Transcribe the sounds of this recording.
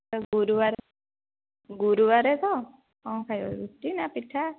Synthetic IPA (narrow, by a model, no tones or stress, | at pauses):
tɔɡuɾuwaɾe | ɡuɾuwaɾet̪ɔ | ãkʰajɔ̰ɾuʈːinapiʈʰːa